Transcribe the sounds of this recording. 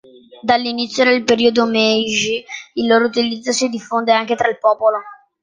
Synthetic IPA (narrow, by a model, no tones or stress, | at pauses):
d̪alːinit̪sːjod̪elpeɾiod̪omɛʒiilːoːɾout̪ilid̪zːosid̪ifːond̪eaŋk̟et̪ɾailpɔːpolo